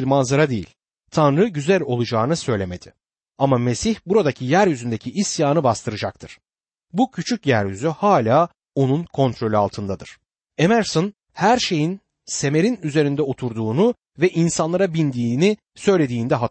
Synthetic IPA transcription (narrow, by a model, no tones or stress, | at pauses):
ɾmanzaɾad̪ejḭlʲ | t̪ʰanɾɯɟyzælʲo̞lˠud͡ʒaːnɯsø̞jlʲeme̞d̪ɪ | amame̞siçbuɾad̪acʰijæɾjyzynd̪e̞cʰiʔːsjaːnɯbast̪ʰɯɾɯd͡ʒak̚t̪ʰɯɾ̥ | bucʰyt͡ʃʰycjæɾjyzyhaːlʲaː | o̞nunkʰo̞nt̪ʰɾo̞lʲya̰lˠt̪ʰɯnd̪ad̪ɯɾ̥ | emæɾson | hæɾʃe̞jin | se̞me̞ɾinyze̞ɾind̪ɛo̞t̪ʰuɾd̪uːnu | vɛʔinsanlˠaɾabind̪iːni | sø̞jlʲe̞d̪iːnd̪ɛɦa